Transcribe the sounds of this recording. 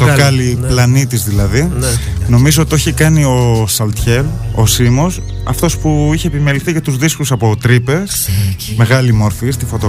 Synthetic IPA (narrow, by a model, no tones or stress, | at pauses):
t̪okɐliplɐnit̪izðilɐðino̞mizoot̪io̞çikɐnio̞sɐlt̪çe̞lo̞simo̞s | ɐft̪o̞spuiçe̞ːpime̞liθicɐt̪uzðiskusɐpo̞t̪ɾipe̞sme̞ɣɐlimo̞ɾfis̬t̪ifo̞t̪o